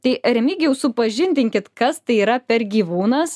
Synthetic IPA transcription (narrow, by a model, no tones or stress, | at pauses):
t̪ɐɪɾʲɛmʲiːɡʲɛʊsʊpɐʒʲɪnʲd̪ʲɪŋʲkʲɪt̪kɐst̪ɐɪiːɾɐpʲɛɾɡʲiːʋuːnɐs